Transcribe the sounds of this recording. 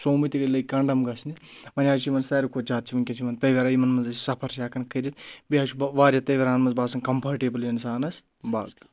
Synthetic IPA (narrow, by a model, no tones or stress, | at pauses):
soːmit̪iɡɐlɐkɐɳɖɐmɡɐsnimɐnʲaːd͡ʒt͡ʃʰimɐnsɐːɾikʰot͡ʃaːt̪̚t͡ʃʰiʋɐnkʲɐt͡ʃʰimɐnt̪ɐʋʲɐɾajimɐnmɐnzɐsʲi̥sɐpʰɐɾsaːkɐnkʰɐɾʲit̪̚biaːt͡ʃʰubʋaːɾʲjɐt̪ɐjʋʲɐɾaːnmɐnzbaːsɐnkɐmpʰɐːɾʈeːbɨljɐnsaːnɐs | ba̰ːɡ